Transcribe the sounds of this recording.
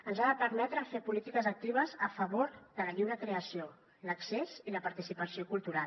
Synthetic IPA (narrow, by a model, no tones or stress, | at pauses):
ənzaðəpəɾmɛt̪ɾəfepulit̪ikəzək̚t̪iβ̞əzəfəβoɾðələʎiwnəkɾeəsio | ləkseziləpəɾt̪isipəsiokulˠt̪uɾa